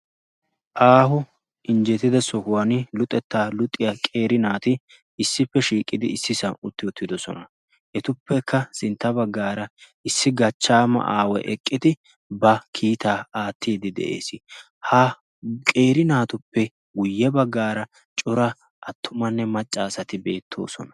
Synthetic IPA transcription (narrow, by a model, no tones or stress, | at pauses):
ʔaːɦʊ | ɪnd͡ʒɛt̪ɪd̪ɐsɔhʊwɐnɪlʊt̪ʼːɛt̪ːaːlʊt̪ʼːɪjakʼe̞ːɾɪnaːt̪ɪ | ɪsːɪpːɛʃiːkʼːɪd̪ɪɪsːɪsɐnʊt̪ːɪʊt̪ːɪd̪ɔsɔnɐ | ʔɛt̪ʊpːɛkːɐsɪnt̪ːɐbɐɡːaːɾɐ | ɪsːɪɡɐt͡ʃːaːmɐ̰ʔa̰ːwɛ̰ʔɛkʼːɪd̪ɪ | bɐkʰiːt̪aːaːt̪ʰːiːd̪ɪd̪ɛ̰ʔḛːsɪ | hɐ | kʼe̞ːɾɪnaːt̪ʊpːɛ | ɡʊjːɛbɐɡːaːɾɐ | t͡ʃʼɔɾɐ | ʔɐt̪ːʊmɐnːɛmɐt͡ʃʼːaːsɐt̪ɪbe̞ːt̪ʰːo̞̰ːsɔ̰nɐ